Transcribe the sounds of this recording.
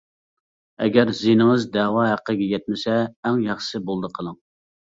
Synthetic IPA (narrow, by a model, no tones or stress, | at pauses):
ɛɡʲɛɾzinɨŋɨzd̪ɛwɑɦæqʰːəɡʲɛjɛt̪̚mɪsɛːŋjɑχʃsɨbolˠd̪əqʰəlˠəŋ